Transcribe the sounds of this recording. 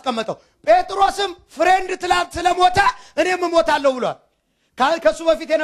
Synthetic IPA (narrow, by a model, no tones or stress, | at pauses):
skʼəmːət̪ʼəw | pʼet̪ʼɾo̞sɨmfɨɾend̪t̪ɨlasɨləmo̞t̪ʰaʔɨne̞mːɨmo̞t̪ʰalːəhbɨlowa̰l | kakʰəsːubəfit̪jɛn